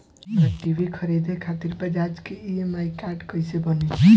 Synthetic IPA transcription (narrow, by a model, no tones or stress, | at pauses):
əʈibʱikʰəɾed̪ekʰat̪iɾpəd͡ʒad͡ʒkeiemajkaɾɖkəjsebəne